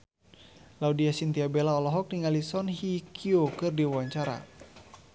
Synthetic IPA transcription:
laudiasint̪iabelaɔlɔɦɔk̚niŋalisɔnhikʰiokɨrdiwawaɲt͡ʃaɾa̰

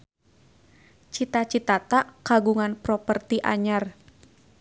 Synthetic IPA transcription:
t͡ʃit̪at͡ʃit̪at̪aʔkaɡuŋanpɾɔpərt̪iʔa̰ɲar

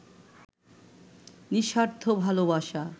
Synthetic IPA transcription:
niʃaɾt̪ʰobʱalobaʃa

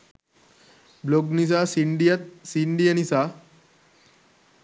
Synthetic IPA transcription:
bloɡnis̬asiɳɖijat̪̚siɳɖijanisa

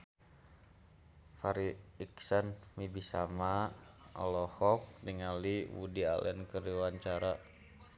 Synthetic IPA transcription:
faɾiːksənmibisamaɔ̰lɔhɔk̚niŋaliwṵdia̰lɛ̰nkərdiwaɲt͡ʃaɾa

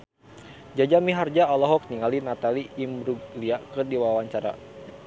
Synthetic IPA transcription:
d͡ʒad͡ʒamiɦard͡ʒaɔlɔɦɔk̚niŋalinat̪aliʔːmɾuɡliakɨrdiwawaɲt͡ʃaɾa̰

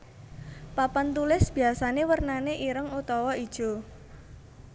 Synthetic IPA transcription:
papant̪ulɪsb̥iasanewərnaneʔiɾəŋut̪ɔwɔid̥ʒ̥o̤

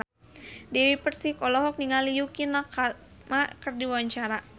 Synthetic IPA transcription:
dɛwipərsihkɔlɔɦɔk̚niŋalijukina | makərdiwawaɲt͡ʃaɾa

